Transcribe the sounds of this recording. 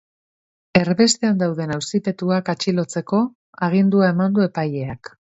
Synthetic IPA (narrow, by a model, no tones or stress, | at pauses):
e̞ɾβe̞st̪e̞and̪awðe̞nawsipe̞t̪uakat͡ʃilo̞t͡se̞ko̞ | aɣ̞ind̪uae̞mand̪ue̞paje̞ak